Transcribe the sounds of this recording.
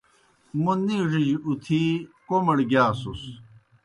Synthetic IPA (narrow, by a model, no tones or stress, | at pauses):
munːiʐid͡ʑut̪ʰikomɐɽɡjaːsus